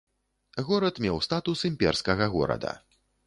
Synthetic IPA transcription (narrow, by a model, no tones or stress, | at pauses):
ɣɔɾɐt̪mʲɛwst̪at̪usimʲpʲɛrskɐɣɐɣɔ̰ɾɐ̰d̪ɐ̰